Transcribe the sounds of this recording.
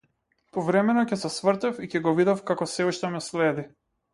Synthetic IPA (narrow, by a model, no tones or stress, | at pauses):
pɔvɾɛmɛnɔcɛsɛsvr̩t̪ɛficɛɡɔvid̪ɔfkakɔsɛuʃt̪ɛmɛslɛd̪i